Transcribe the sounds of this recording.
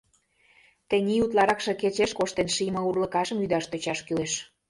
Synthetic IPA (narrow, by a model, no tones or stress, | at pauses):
t̪enʲiut̪lˠɑɾɑkʃĕket͡ɕeʃkoʃt̪enʃijmɤurlə̆kɑʃəmyd̪ɑʃt̪øt͡ɕɑʃkyleʃ